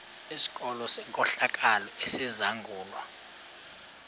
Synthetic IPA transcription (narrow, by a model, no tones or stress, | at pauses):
isi̥k̬ʼɔlɔsɛŋkʼɔɬak̬ʼalɔesizaŋɡʱuːlwa̰